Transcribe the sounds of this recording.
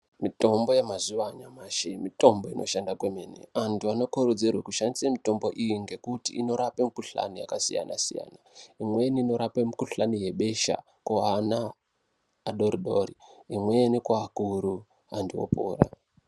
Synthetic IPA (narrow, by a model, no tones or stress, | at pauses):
mito̞mbo̞jemazuʋaɲamaːʃemito̞mbo̞inʔo̞ʃandakwemenḛantʰuano̞koɾod͡zirwakuʃandisamito̞mbo̞ʔijiŋɡe̞kutḭːno̞ɾapemikuɬa̰nija̰kasija̰nʔa̰sija̰ːnaimweniːno̞ɾapemikuɬanije̞ɓe̞ʃa̰ | koanaː | ɗoɾiɗoriimwenikwaːkuɾu | andiwo̰pṵːra̰